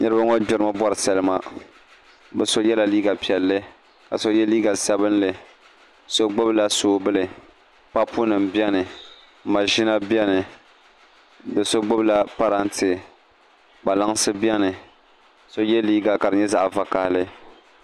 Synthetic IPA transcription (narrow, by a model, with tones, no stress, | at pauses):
ɲɛ˦ɾɨ˦ba˦ŋɔ˦d͡ʒʊ˨ɾɨ˦ma˦bɔ˦ɾɨ˨sa˨lɨ˦ma˨ | bɛ˨so˦jɛ˦la˨liː˦ɡa˨pi˨ɛ˨lːɨ˦ | ka̰˨so˦jɛ˦liː˦ɡa˨sa˦bɨ˦nlɨ˨ | so˦ɡ͡bo˦bla˦soː˨˦bɨ˦lɨ˨ | pa˦pu˦nɨ˨mbjɛ˦nɨ˨ | ma˨ʒi˦na˦bjɛ˦nɨ˨ | bɨ˨so˦ɡ͡bo˦bla˦pa˦ɾa˦n˦tɨ˨ | ɡ͡ba˨la˦ŋsɨ˦bjɛ˦nɨ˨ | so˦jɛ˦liː˦ɡa˨ka˨ɾɨ˨ɲɛ˦za˦ʔva˨ka˨hlɨ˦